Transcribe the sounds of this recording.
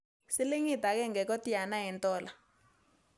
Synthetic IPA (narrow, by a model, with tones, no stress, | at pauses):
si˦li˦ŋi˨ta˨k̬ɛ˦ŋɛ˨k̬ɔ˦tʼi˦a˨na˦ɦi˨ntʼɔːla